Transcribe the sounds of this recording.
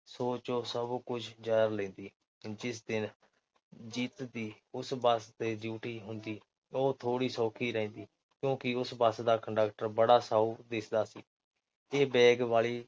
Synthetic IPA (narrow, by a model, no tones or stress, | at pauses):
soːt͡ʃõːsəbkʊd͡ʒʰd͡ʒaːəɾlẽːd̪iː | d͡ʒɪs̬d̪ɪn | d͡ʒiːt̪d̪iː | ʊsbəst̪eːd͡ʒuːʈʰiːɦʊnd̪iː | oːt̪ʰoːɽiːsoːkʰiːɾɛ̃nd̪iː | kjõːkɪʊsbəsd̪aːkəɳɖək̚ʈəɾbəɽaːsaːuːd̪ɪsd̪aːsiː | eːbɛːɡʋaːliː